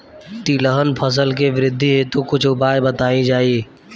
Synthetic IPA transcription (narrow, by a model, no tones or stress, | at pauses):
t̪iːləɦənpʰəs̬əlkeʋɪɾɪd̪ʱːiɦet̪oːkʊt͡ʃʰʊbaːebət̪aːĩd͡ʒaːiː